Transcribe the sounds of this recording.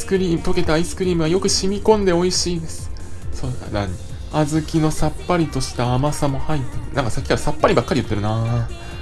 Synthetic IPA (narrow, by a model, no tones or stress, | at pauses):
sɨ̥kɯ̟ɾʲiːmɯ̟t̪o̞ke̞t̪aːisɨ̥kɯ̟ɾʲiːmɯ̟βajo̞kɯ̟ɕimʲikõ̞nd̪e̞o̞iɕiːd̪e̞sɨ̥soːa̰nã̰ɲ̟i | azɨkʲino̞sapːaɾʲit̪o̞ɕi̥t̪aːmasamo̞hait̪ːenãŋkasakʲikaɾasapːaɾʲibakːaɾʲiɯt̪ːe̞ɾɯ̟na